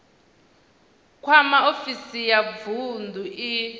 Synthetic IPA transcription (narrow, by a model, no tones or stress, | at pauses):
kʰwamaofisijavundʱuʔi